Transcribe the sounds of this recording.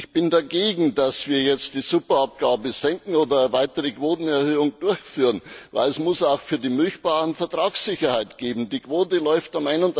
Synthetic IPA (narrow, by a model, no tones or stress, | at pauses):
ɪçb̥ɪndaɡeːɡŋ̩dasv̥iːɐjɛt͡std̥iːzʊpɐap̚ɡ̥aːbəzɛŋkŋ̩oːdɐvaɪtəʁəkv̥oːtn̩ɛɐhøːʊŋd̥ʊɐçfyːʁənva̰ɪlɛsmʊsaʊxfyːɐdiːmyçb̥aːʁənfɛɐtʁ̥aːksɪçɐhaɪtɡ̥eːbm̩diːkv̥oːtəlɔʏftamaɪnʊnt